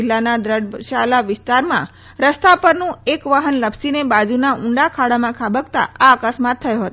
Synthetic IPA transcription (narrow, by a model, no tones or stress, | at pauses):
ilːanad̪ɾəɖʃalaʋɪst̪aɾmã̰ | ɾəst̪apəɾnũekʋaɦənləbsinebad͡ʒunaʔuɳɖakʰaɽamãkʰabəkt̪a̰aəkəsmat̪ʰːəjoɦət̪o